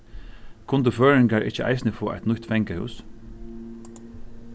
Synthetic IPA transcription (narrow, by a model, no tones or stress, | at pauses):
kʰʊnt̪əføːɹɪŋɡaɹʔɪt͡ʃəʔa̰ɪsnəfoːʔa̰ɪt̪nʊt̪fɛŋkəhʉ̰ːs